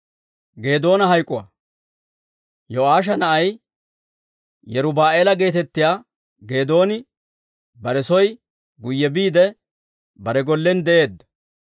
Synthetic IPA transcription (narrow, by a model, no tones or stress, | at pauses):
ɡe̞ːd̪o̞ːnɐɦɐjkʼʊwa̰ | jɔaːʃ̬ɐnɐʔɐj | jɛɾʊbaːʔeːlɐɡe̞ːt̪ɛt̪ːɪjaː | ɡe̞ːd̪o̞ːnɪ | bɐɾɛsɔj | ɡʊjːɛbiːd̪ɛ | bɐɾɛɡɔlːɛnd̪ɛʔe̞ːd̪ːɐ̥